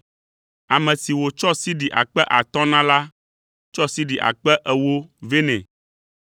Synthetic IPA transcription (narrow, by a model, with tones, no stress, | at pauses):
a˨mɛ̃˨si˨wo˨t͡ʃɔ˦si˦ɖi˨ʔa̰˨k͡pɛ˦ʔa˨t̪ɔ̃˦nã˦la˦ | t͡ʃɔ˦si˦ɖi˨ʔa̰˨k͡pɛ˦ʔɛ˦wo˦ve˦nɛ̰̃˨